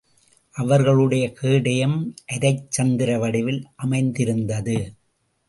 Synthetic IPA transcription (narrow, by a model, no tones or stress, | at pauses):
ʔɐʋɐɾɣɐɭɯɽɐjɐkiːɽɐjɐmʔɛðɐɪt͡ʃːɐnd̪ɪɾɐʋɐɽɪʋɪlʔɐmɐɪnd̪ɪɾɯnd̪ɐðɯ